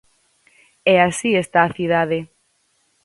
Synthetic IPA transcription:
ɛasiest̪aːθiðaðe

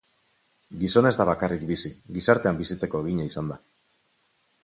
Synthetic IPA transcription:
ɡiso̞ne̞zd̪aβ̞akarikbisiɣisaɾt̪e̞ambisit͡se̞ko̞eɣ̞iɲaisand̪a

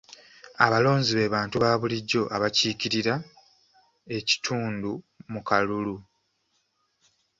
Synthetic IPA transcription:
aβalo̞ːɲziβe̞ːβaːntuβaːβuliɟːo̞ʔaβaciːciɾiɾa | e̞ci̥tʰuːndu | mukalulu

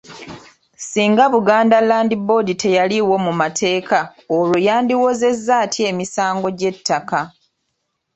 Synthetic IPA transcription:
siːŋɡaβuɡaːndalaːndibo̞dite̞jaliwo̞mumatʰe̞ːkʰaolujaːndiwoze̞zːaːtʰie̞ːmisaːŋɡo̞ɟe̞tːaka

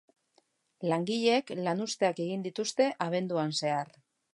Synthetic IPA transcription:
laŋɡiʎeklanust̪e̞ake̞ɣ̞ind̪it̪ust̪e̞ʔaβ̞e̞nd̪uanse̞ar

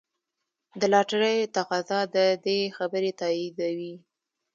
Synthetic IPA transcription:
d̪əlɑʈaɾəjt̪aqɑzɑd̪əd̪exabəɾet̪ɑid̪awi

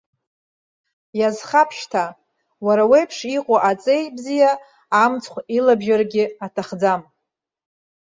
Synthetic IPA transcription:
jazχapʰʃtʰa | waɾawejpʰʂiqʼaʔat͡sʼe̞jbzijaː | mt͡sʰʼχʷilabʒarɡʲɪatʰaχd͡zam

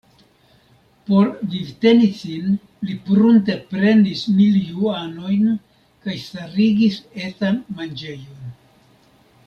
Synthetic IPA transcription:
po̞ɾvivte̞nisin | lipɾunte̞pɾe̞ndismiljuano̞jn | kajstaɾiɡise̞t͡sanmand͡ʒe̞jo̞n

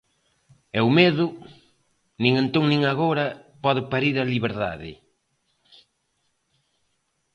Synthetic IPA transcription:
ɛʊmeðʊ | nĩŋẽnt̪oŋnĩŋaɣoɾɐpɔðɪpaɾiɾɐliβeɾða̰ðɪ̰

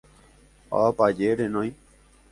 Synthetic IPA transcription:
a̰pad͡ʒeɾenõj̃

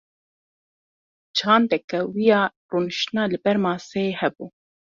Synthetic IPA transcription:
d͡ʒɑːnd̪ɛkɛwijɑː | ruːnɨʃt̪ɨnɑːlɨbɛɾmɑːsɛeːhɛbuː

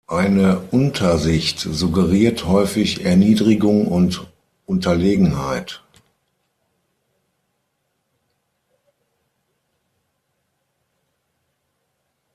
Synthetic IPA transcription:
ʔaɪnəʔʊntʰɐzɪçtz̥uɡəʁiːɐthɔʏfɪçɛɐniːdʁɪɡʊŋʊnt | ʔʊntɐleːɡŋ̩ha̰ɪt

